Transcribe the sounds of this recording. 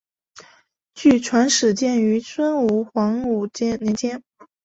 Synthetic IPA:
t͡ɕy˥˩ʈ͡ʂʰwa˧˥nʂɻ̩˨˩t͡ɕjɛ˥˩ny˧˥t͡sʰwə˥nu˧˥˩xwɑ˧˥ŋu˨˩t͡ɕjɛ˥nnjɛ˧˥nt͡ɕjɛ˥n

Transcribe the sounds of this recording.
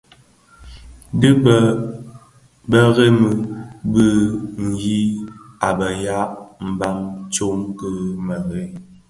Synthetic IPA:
də˦ | bə˦ɣe˦mə˨bə˦ŋ̩˨ji˦a˨bə˨ja˦ʔm̩˨ba˦mt͡ʃo˦mkə˦mə˨ɣe˦

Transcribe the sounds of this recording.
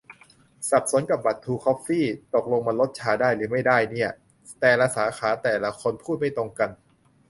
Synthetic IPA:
sa˨˩p̚su˨˩˦ənka˨˩p̚ba˨˩t̪ʰːuː˧kʰːɔː˦˥pfiː˥˩t̪o˨˩k̚lo˧ŋma˧lo˦˥t̪̚t͡ɕʰaː˧daː˥˩jlɯː˩˦ma˥˩jdaː˥˩jni˥˩ɐ | t̪ɛː˨˩la˧saː˩˦xʰaː˩˦t̪ɛː˨˩la˧kʰo˧npʰuː˥˩t̪̚ma˥˩jt̪o˧ŋka˧n

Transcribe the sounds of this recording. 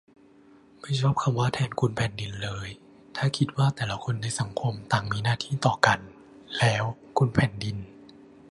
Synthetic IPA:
ma˦˥˩jt͡ɕʰɔ˧˥˩p̚kʰa˧mwaː˧˥˩t̪ʰɛː˧nkʰu˧npʰɛː˨˩ndi˧nlɤː˧j | t̪ʰaː˥˩kʰi˦t̪̚waː˥˩t̪ɛː˨˩la˧˦kʰo˧nːa˧jsa˩˦ŋkʰo˧mt̪aː˨˩ŋmiː˧naː˥˩t̪ʰiː˥˩t̪ɔː˨˩ka˧n | lɛː˦˥w | kʰu˧npʰɛː˨˩ndi˧n

